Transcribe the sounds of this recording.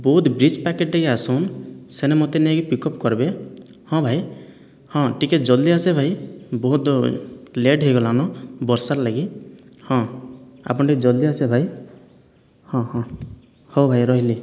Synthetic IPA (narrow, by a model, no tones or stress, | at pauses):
bɔɦut̪bɾit͡ʃpakeʈːeɡiasɔnsenemot̪eniaɡipikɔpkɔɾbe | hɔ̃bʱaj | hɔ̃ʈikeʈd͡ʒɔld̪iasebʱajbɔɦut̪ | leɖɦeɡɔlanɔbɔɾsaɾlaɡihɔ̃a̰pɔnʈikd͡ʒɔld̪iasebʱaj | hɔ̃hɔ̃ | howbʱajɾɔɦili